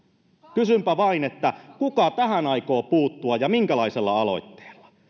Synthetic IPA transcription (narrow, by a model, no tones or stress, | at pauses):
kysympæʋɑinet̪ːækukɑt̪æhænɑiko̞ːpuːt̪ːuɑjjɑmiŋkælɑiselːɑ̰ɑlo̞̰it̪ːe̥ːlːɑ̥